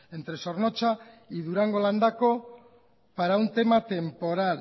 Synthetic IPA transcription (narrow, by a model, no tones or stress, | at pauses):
e̞nt̪ɾe̞so̞rno̞t͡ʃa | iðuɾaŋɡo̞land̪ako̞ | paɾaunt̪e̞mat̪e̞mpo̞ɾal